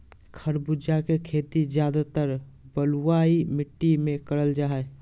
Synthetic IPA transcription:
kʰəɾbud͡ʒakekʰeːt̪id͡ʒjad̪at̪əɾ | bəluwaimɪʈːimẽkəɾəld͡ʒaːɦɛ

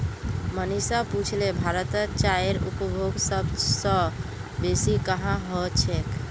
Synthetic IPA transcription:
mənisaput͡ʃʰlebʱaɾət̪ət͡ʃaeɾṵpəbʱoɡsəbsə̃ | besikəɦãɦɔt͡ʃʰɛk

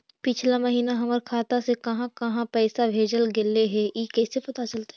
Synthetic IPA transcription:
pɪt͡ʃʰlamɐɦiːnaɦɐməɾkʰaːt̪asekɐɦãkɐɦãpɛːsabʱeːd͡ʒəlɡeleɦɛjikɛːsepɐt̪at͡ʃəlt̪a

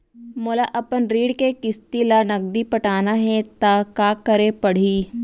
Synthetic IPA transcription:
moːlaʔɐpənɾiːɽkekɪst̪ilaːnɐɡ̚d̪ipəʈaːnaɦɛt̪akaːkəɾẽpɐɽ̤iː

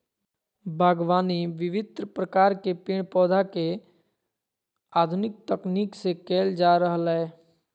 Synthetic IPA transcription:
bʱaːɡʋaːniʋɪʋɪd̪ɾəpɾəkaːɾkepɪɳ̃pɔːd̪ʱake | aːd̪ʱʊnɪk̚t̪əkniːksekeːld͡ʒaːɾəɦəlɦɛː

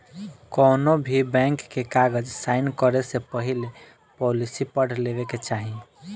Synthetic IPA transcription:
kɔnobʱibɛ̃ŋkːekaɡəd͡ʒsaɪnkəɾesepəɦile | pɔlisipəɽ̤lebeket͡ʃaɦĩ

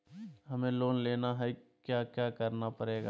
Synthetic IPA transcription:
ɦɐmẽloːnleːnaɦɛkjaːkjaːkəɾnapəɾeːɡa

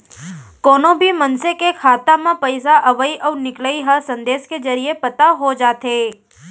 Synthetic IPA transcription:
kɔːnõbʱimɐnsekekʰaːt̪amãpəɪsaʔɐʋəiʔɔːɾnɪkləiɦɐsɐ̃nd̪eːʃkezɐɾiepɐt̪aɦod͡ʒaːt̪eː

